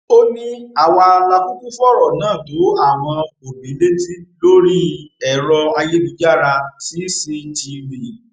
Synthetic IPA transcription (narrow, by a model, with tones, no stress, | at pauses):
o˦nĩ˦a˦˨wa˧la˧ku˦kũ˦fɔ˦˨ɾɔ˨nãː˦˨to˨˦a˦˨w̃ɔ̃˧o˨bĩ˨˦le˦ti˦lo˦ɾi˦˨ɛ˨ɾɔ˧a˧je˦du˨˦d͡ʒa˦˨ɾa˧ti˨˦se˧n̩˨ti˧ɾi˨